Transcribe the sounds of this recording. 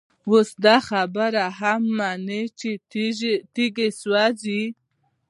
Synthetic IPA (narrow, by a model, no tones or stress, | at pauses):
wosd̪axabəɾaɦamːanet͡ʃe | t̪iɡeswazi